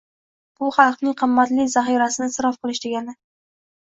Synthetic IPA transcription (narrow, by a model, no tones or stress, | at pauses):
b̥ʊχɑlˠqnɪŋqʰɨmːat̪lɪzaχiɾasɪnɪsɪɾɒfqɨlˠɪʃd̪eɡʲanɪ